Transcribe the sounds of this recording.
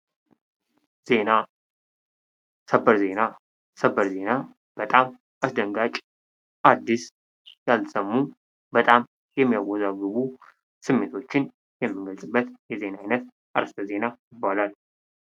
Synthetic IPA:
z̥ena | səbəɾze̞na | səbəɾze̞na | b̥ət̪ʼam | ʔasd̪əŋɡat͡ʃʼ | ʔad̪ːis | jalsəmːu | bət̪ʼam | jɛmːijawɔzaɡɨβu | sɨmːe̞t̪ʰo̞t͡ʃːɪn | jɛmːɨŋɡəlsʼɨbːət̪jɛze̞naajnət̪ | ʔa̰ɾəst̪ʰəze̞najɪbːalal

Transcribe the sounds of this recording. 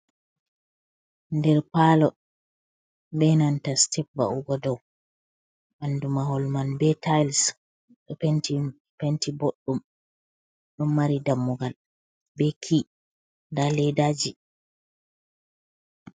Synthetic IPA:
ndɛɾpaːlɔ | bɛnantastɛp̚ba̰ʔuɡɔdɔw | ʔandumahɔlmanbɛtajls | ɗɔnti | pentiboɗːum | ɗɔmːaɾidamːuɡal | bɛkʰi | ndalɛdaːd͡ʒi

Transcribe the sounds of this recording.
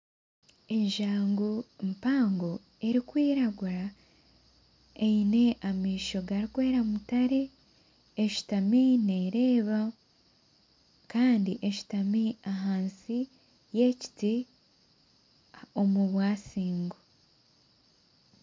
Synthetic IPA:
e̞ɲʒaːŋɡompaːŋɡo | eɾikwiːɾaɡuɾa | eine̞ʔamiːʃo̞ɡaɾikwe̞ːɾamutaɾe̞ː | ʃi̥tamine̞ɾe̞ːβa | kaːndiʔeʃi̥tamiaɦaːnsi | je̞ci̥ti | omuβwaːsiːŋɡo

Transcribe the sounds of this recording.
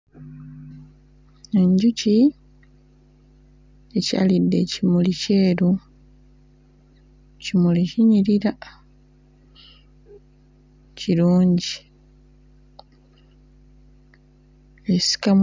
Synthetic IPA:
eɲɟuci | eca̰ːlidːe̞cimulice̞ːɾu | cimuliciɲiɾiɾa | ciɾuːɲɟi | esi̥kam

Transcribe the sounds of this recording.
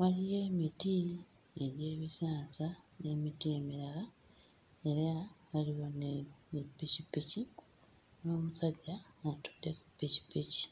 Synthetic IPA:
walijeːmiti | eɾjeːβisaːsane̞mitie̞miɾala | e̞ɾaβaliwoneepːicipːici | no̞ːmusaɟːaŋatu̥d̥ːekupːici̥pːici̥

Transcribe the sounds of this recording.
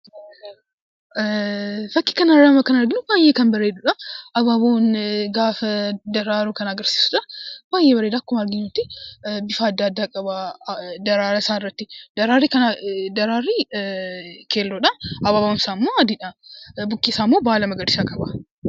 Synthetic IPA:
fɐkːɪ̥kɐnɐɾaːmɐkɐnɐɾɡɪnʊbaːjeːkɐnbɐɾeːᶑʊᶑɐʔɐbaːboːnɡaːfɐd̪ɐɾaːɾukɐnːɡɐɾsi̥ːsʊᶑɐbaːjeːbɐɾeːd̪akːʊmɐɾɡɪɲːut̪ːɪbɪfaːd̪ːɐːd̪ːaːkʼɐbad̪ɐɾaːɾɐsaːɪrːɐt̪ːɪd̪ɐɾaːɾikɐnad̪ɐɾaːrːiː | kʰeːlːoᶑɐɐbaːbʊnsaːmːoːɐd̪ɪᶑɐbʊkːiːsaːmːoːbaːlɐmɐɡɐd̪ɪsakʼɐbɐ

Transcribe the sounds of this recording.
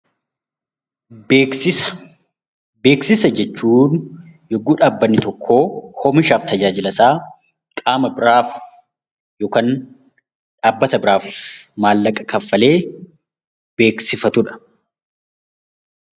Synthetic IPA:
beksɪ̥ | be̞ːksɪsɐd͡ʒɛt͡ʃːuːn | jɔɡːuːᶑaːbːɐnːɪt̪ɔkʰːo̞ːhɔmɪʃaːft̪ɐd͡ʒaːd͡ʒɪlɐsaː | kʼaːmɐbɪɾaːf | joːkɐn | ᶑaːbːɐt̪ɐbɪɾaːfmaːlːɐkʼɐkʰɐfːɐle̞ː | b̥e̞ːksɪfɐt̪ʊᶑɐ̥

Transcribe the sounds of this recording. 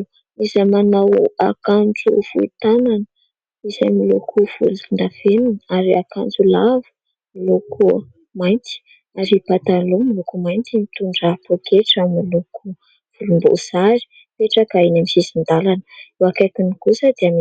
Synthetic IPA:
izamanawakand͡zufuḭt̪ananə | izamilo̰kʰuv̥ṵluuɳɖ͡ʐafenunaɾiakand͡zulavu̥ | milokʰu | majnt͡s̪i̥ | aɾipat̪alomilokumajnt̪imit̪uɳɖ͡ʐapokʰeʈ͡ʂamiluku | v̥ulumbo̰z̥aɾi̥ | peʈ͡ʂakainamisizind̪alanəuakakinikusəd̪eam

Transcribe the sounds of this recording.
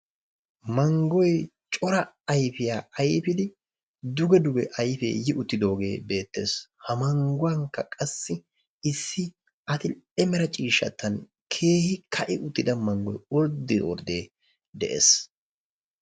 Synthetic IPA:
mɐŋɡɔj | t͡ʃʼɔɾɐ | ɐjfɪjaːʔɐjfɪd̪ɪ | d̪ʊɡɛd̪ʊɡɛʔɐjfḛːjɪʔʊt̪ːɪd̪o̞ːɡe̞ːbe̞ːt̪ːe̞̰ːshɐmɐŋɡʊwɐŋkːɐkʼɐsːɪ | ɪsːɪ | ɐt̪ɪɛmɛɾɐt͡ʃʼiːʃːɐ̰t̪ːɐn | kʰe̞ːhɪkʰɐʔɪʔʊt̪ːɪd̪ɐmɐŋɡɔ̰jɔɾd̪ɪ̰wɔ̰ɾd̪eː | d̪ɛʔḛːs

